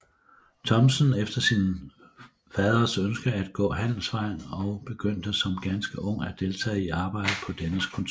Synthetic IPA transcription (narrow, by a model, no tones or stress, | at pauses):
t͡sʰɒ̽msənefd̥ɐsin | fɛːð̞ˠʁɐsønsɡ̥ɐæd̥̚ɡ̥ɔ̰̽ːɦæn̰l̩sʋɑ̈ɪ̰nɒ̽ʊb̥e̝ɡ̥øn̰d̥əsɒ̽mɡ̥ænsɡ̥əʔɔ̽ŋ̰æd̥e̝lt͡sʰɛ̰ːiɑ̈ːb̥ɑ̈ɪ̰d̥əpʰɒ̽d̥enəskʰɒnt͡sʰ